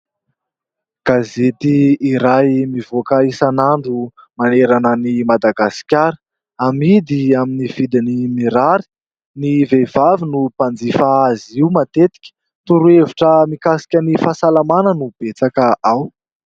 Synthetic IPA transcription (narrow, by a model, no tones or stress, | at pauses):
ɡ̥azet̪iːɾajmivokaisanaɳɖ͡ʐu | maneɾanənimad̪aɡasi̥kʲaɾə̥ | amid̪iaminiv̥id̪inimiɾaɾi̥ | nivev̥avinupand͡zifaaziwmat̪et̪i̥kʲə̥ | t̪uɾueviʈ͡ʂəmikasi̥kʲənifasalamanənub̥et͡sakəʔaw